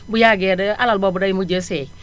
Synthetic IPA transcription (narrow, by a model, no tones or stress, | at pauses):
bujaɡɛdəalɔlbɔbudajimud͡ʒəsɛ